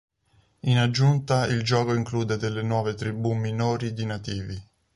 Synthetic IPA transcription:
inad͡ʒːunt̪aild͡ʒɔːkoiŋkluːd̪ed̪elːenwɔːvet̪ɾibuminoːɾid̪inat̪iːvi

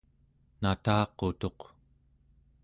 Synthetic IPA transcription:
nat̪ɑːqo̞t̪o̞q

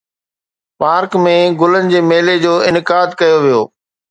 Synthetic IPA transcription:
paːɾkmẽɡʊlənɪ̆d͡ʑeːmeːled͡ʑoːɪnɪkaːd̪kɐjoʋijoː

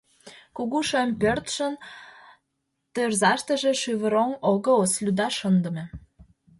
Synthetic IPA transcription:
kuɣuʃempørt̪ʃə̆n | t̪ørzɑʃt̪ə̆ʒĕʃyβə̆ɾoŋoɣɤ̆oslʲud̪ɑʃə̆nd̪ə̆mĕ

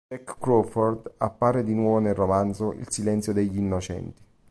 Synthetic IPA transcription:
ɛkːɾɔfɔrd̪a̰pːaːɾed̪inwɔːvonelromant̪zoʔḭlsilɛnt̪sjod̪eʎːinːot͡ʃɛ̰nt̪i̥

